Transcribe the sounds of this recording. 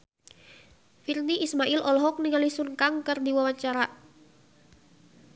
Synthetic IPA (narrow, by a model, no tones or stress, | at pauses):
firniʔismaʔilʔɔlɔɦɔk̚niŋalisunkaŋkɨrdiwawaɲt͡ʃaɾa